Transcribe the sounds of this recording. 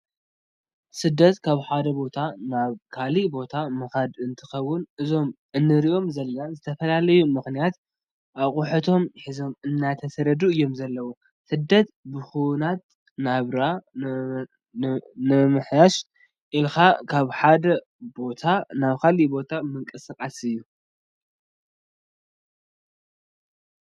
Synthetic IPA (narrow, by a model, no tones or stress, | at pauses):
sɨd̪ːɐt̪kʰaβħad̪ɐbo̞t̪ʰanaβkʰalibo̞t̪ʰamɨxad̪ɨnt̪ʰɨxɐwːʊnɨzo̞m | ɨnːɨɾiʔo̞mzɐlanzɨt̪ʰɐfɐlalɐjumɨxnijat̪ | ʔaβχʼʊħɨt̪ʰo̞mħizo̞mɨnːat̪ʰɐsɐɾɐd̪uɨjːo̞mzɐlːɐwu | sɨd̪ːɐt̪bɨxuwnat̪̚ | naβɾa | nɨmɨħjaʃ | ʔilxakʰaβħad̪ɐ | bo̞t̪ʰanaβkʰalibo̞t̪ʰamɨŋkʼɨsakʼasɨjːu